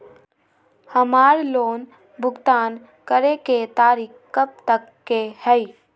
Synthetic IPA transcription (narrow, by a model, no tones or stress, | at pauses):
həmaːɾloːn | bʱʊɡt̪aːn | kəɾeket̪aːɾiːkkəb̚t̪əkːehɛi